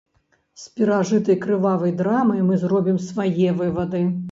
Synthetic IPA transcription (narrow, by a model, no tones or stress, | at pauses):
sʲpʲiɾaʐɨt̪ɐjkɾɨvavɐjd̪ɾamɐjmɨzrɔbʲimsvajɛvɨvɐd̪ɨ